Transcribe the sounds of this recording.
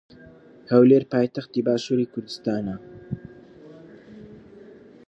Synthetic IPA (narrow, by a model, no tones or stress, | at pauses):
həwleɾpaːjt̪ɐxt̪iːbaːʃuːɾiːkʰʊɾd̪ɨst̪aːnɐ